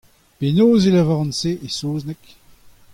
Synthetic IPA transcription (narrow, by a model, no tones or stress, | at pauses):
penoːzelavaʁɑ̃nseʔesoːznɛk